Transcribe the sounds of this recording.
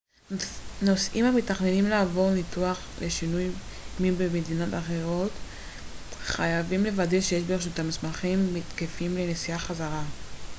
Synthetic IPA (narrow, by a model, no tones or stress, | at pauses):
nosʔimamitaχne̞nimlaːvo̞ʁnituaχleʃinujmibemed̪ino̞taχe̞ʁo̞t̪ | χajavimle̞vadeʃejeʃbeʃ̬ut̪amismaχimːit̪kefimle̞nesiaχazaʁa